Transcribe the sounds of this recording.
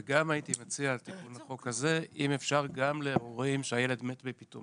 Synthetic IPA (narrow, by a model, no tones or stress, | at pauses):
eɡamajitimat͡siaːltikunaχo̞kaze̞ʔimefʃaʁɡamleoʁimʃeaje̞le̞dme̞tbepito̰